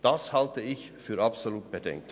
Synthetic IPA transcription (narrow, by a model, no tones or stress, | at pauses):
d̥ɑshaltəɪç | fyːɾɑpsoluːt̚b̥ədɛ̰ŋk̚t